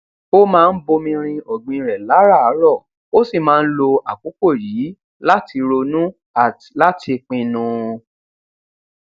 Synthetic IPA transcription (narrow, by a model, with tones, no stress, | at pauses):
o˦mãː˦˧n̩˦bo˧mĩ˧ɾ̃ĩ˧ɔ˨ɡ͡bĩ˧ɾɛ˨la˨˦ɾa˦˨a˨˦ɾɔ˦˨ | o˦si˦˨mãː˦˧n̩˦lo˧a˨k͡po˨˦ko˦˨ji˨˦ | la˦ti˧ɾo˧nũ˦ | a˨ | la˦ti˧k͡pĩ˧nũ˧